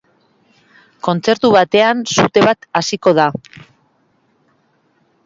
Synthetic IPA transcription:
ko̞nt͡se̞ɾt̪uβat̪e̞ansut̪e̞βat̪asiko̞ð̞a

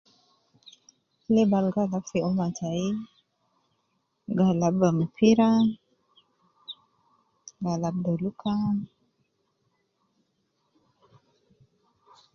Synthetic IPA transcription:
lebalɡalapfiomatai | ɡalabbampʰiɾa | ɡalab̚doluka

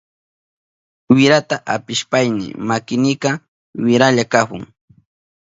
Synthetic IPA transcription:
wɪɾat̪aʔapɪʃpajnɪ̰makɪnɪkɑ | wɪɾaʎakapʊŋ

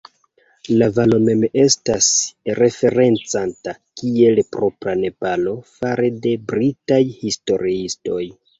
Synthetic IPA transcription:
lavalo̞me̞me̞stasɾe̞fe̞ɾe̞nt͡santakie̞lpɾo̞pɾane̞palo̞faɾede̞bɾitajhisto̞ɾiisto̞j

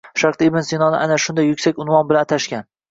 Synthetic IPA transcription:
ʃaɾqt̪ibɪnsɪnɒnɪʔanaʃʊnd̪ajːʊkʲsakʲʊnvɒnbɪlant̪ʰaʃkʲan

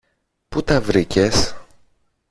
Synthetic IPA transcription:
put̪ɐvɾices

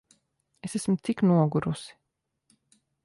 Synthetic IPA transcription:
esæsmt̪siknuɔɡuɾusi̥

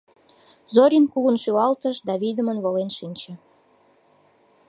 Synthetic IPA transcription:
zoɾʲinkuɣənʃywɑlt̪əʃd̪ɑβid̪əmənβolenʃinʲt͡ɕĕ

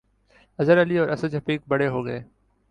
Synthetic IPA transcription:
ɐzəɾɐliɔːɾʔɐsəd͡ʒɦɐfiːk̚bɐɽeɦoːɡɐeː

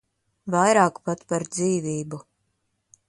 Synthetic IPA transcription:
vajɾaːkpat̪paɾd̪ziːvʲiːbu

